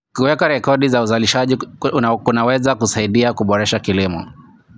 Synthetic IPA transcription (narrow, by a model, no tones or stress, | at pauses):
kuwɛkaɾɛkɔɗizauzaliʃaʄiunawɛzakusaiɗiakuɓɔɾɛʃakilimɔ̰